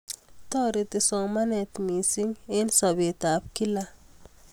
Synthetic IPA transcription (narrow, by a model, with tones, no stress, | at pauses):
t̪ɔ˦ɾit̪i˨sɔ˨ŋmanɛt̪mi˨si˦ŋe˦nsɔ˨be˨t̪ap̚ki˦la